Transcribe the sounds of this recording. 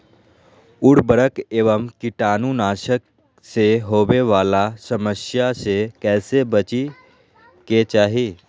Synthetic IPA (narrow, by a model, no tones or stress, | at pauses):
ʊɽbəɾəkeːʋəmkɪʈaːnũnaːʃək | seɦoːʋeʋaːlasəməsjasekɛːsebət͡ʃi | ket͡ʃaːɦi